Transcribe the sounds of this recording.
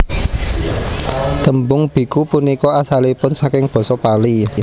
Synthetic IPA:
d̪̥ə̤mbʊŋb̥i̤kupunikɔasalipʊnsakɪŋb̥ɔ̤sɔpali

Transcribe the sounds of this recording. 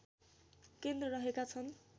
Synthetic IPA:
kend̪rʌɾʌɦekat͡sʰʌn

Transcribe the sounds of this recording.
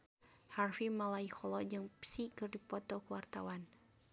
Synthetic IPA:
harfimalaihɔlɔd͡ʒɨŋpsikɨrdipɔt̪ɔkəwart̪awan

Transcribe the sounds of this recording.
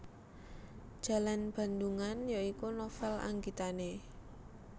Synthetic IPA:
d̥ʒ̥a̤lanb̥a̤nd̪uŋanjaikunofɛla̰ŋɡit̪ane

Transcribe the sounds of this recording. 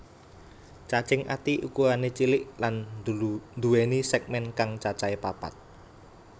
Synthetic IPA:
t͡ʃat͡ʃɪŋʔa̰t̪iʔukuanet͡ʃilɪʔlan | nd̪uwenisɛk̚mɛnkaŋt͡ʃat͡ʃaepapa̰t̪̚

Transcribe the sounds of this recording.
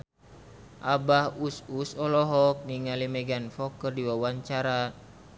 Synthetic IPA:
ʔabahususɔlɔɦɔk̚niŋalimɛɡanfɔkərdiwawaɲt͡ʃaɾa

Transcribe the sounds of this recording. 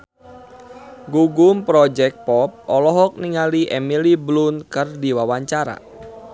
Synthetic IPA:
ɡuɡʊmpɾɔd͡ʒɛk̚pɔp̚ʔɔlɔɦɔk̚niŋaliʔɛmiliblunkɨrdiwawaɲt͡ʃaɾa̰

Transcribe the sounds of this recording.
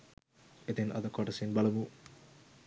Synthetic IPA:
et̪enɐ̰d̪ɐkɔʈɐsinbɐlɐmu

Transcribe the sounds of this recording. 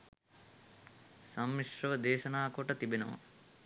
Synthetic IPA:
sɐmːiʂɾɐʋɐd̪eːʃɐnaːkoʈɐt̪ibenɐʋɐ̰

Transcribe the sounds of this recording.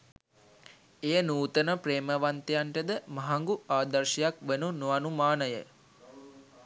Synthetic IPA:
ejənuːt̪ənəpɾeːməʋant̪ejaɳʈəd̪əmɐɦaŋɡuaːd̪ɐɾʃɐjakʋenunuanumaːnəjə̰

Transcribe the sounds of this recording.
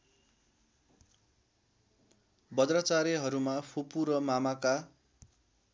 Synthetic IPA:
bʌd̪rʌt͡saɾeɦʌɾumapʰopuɾʌmamaka

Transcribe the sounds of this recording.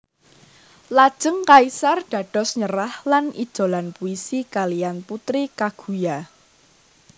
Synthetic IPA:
lad̥ʒ̥əŋkaisarɖ̥ä̤ɖ̥ɔ̤sɲəɾahlanḭd̥ʒ̥o̤lanpuisikalijanput̪ɾikaɡ̥ṳja

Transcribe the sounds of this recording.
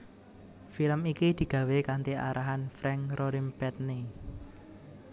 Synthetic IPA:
filəmikid̪̥i̤ɡ̥ä̤wekant̪iʔa̰ɾaɦanfɾɛŋɾoɾimpɛt̪̚ni

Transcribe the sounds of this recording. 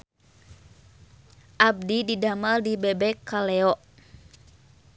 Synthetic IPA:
ʔab̚dididamaldibɛbɛkalɛɔʔ

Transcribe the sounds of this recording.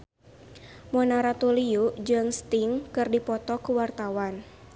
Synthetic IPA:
mɔnaɾat̪uliud͡ʒɨŋst̪iŋkɨrdipɔt̪ɔkuwart̪awan

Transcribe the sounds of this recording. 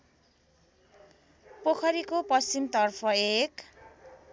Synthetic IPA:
pokʰʌɾikopʌst͡simt̪ʌrpʰʌek

